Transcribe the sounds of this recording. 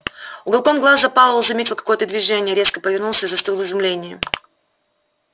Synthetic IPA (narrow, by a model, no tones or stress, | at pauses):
ʊɡɐlˠko̞nɡlˠaszɐpalˠəvəlˠzɐmʲetʲɪlˠkɐ̥ko̞jət̪əd̪vʲɪʐɛnʲɪjəɾʲe̞skəpəvʲɪrnulˠsʲəizɐst̪ɪlˠɨzʊmlʲenʲɪjə